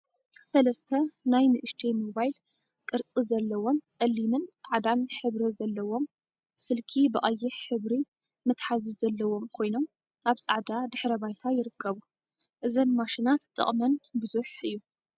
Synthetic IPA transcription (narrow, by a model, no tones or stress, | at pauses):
sɐlɐst̪ʰɐnajnɨʔɨʃt̪ʰemo̞βajl | kʼɨɾt͡sʼizɐlːɐwo̞nt͡sʼɐlːimɨnt͡sʼaʕd̪anħɨβɾizɐlːɐwo̞m | sɨlkʰibɨʔʼɐjːɪħħɨβɾi | mɨt̪ħazizɐlːɐwo̞mkʰo̞jno̞m | ʔaβt͡sʼaʕd̪ad̪ɨħɾɐβajt̪ʰajɪɾɨkʰːɐβu | ʔɨzɐnmaʃinat̪ʼːɨ̰χʼmɐnbɨzuħɨjːu